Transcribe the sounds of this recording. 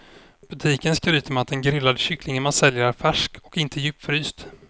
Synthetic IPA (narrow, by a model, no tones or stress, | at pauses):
b̥ɵt̪ʰiːkənskɾyːt̪əmɛat̪̚d̪ɛnɡɾɪlːad̪əɕʏkʰlɪŋənmansɛljəɾfæʂkɔkɪnt̪ʰəjʉːpːfœɾyːst̪